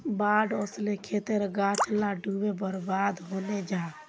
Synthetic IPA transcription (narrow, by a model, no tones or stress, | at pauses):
baɖoslekʰet̪eɾɡaʈʰlaɖʱubebəɾbaːd̪ɦoned͡ʒaː